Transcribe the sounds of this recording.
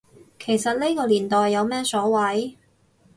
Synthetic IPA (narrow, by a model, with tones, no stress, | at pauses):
kʰe˨˩jsɐ˨t̚nle˥kɔː˧liː˨˩nt̪ɔː˨jːɐ˨˧wmɛː˥sɔː˨˥wɐ˨˥j